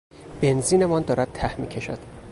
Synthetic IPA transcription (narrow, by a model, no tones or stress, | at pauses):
b̥e̞nziːne̞mɒːnd̪ɒːɾæd̪̚t̪ʰæhmiːcʰe̞ʃæ̰d̪̥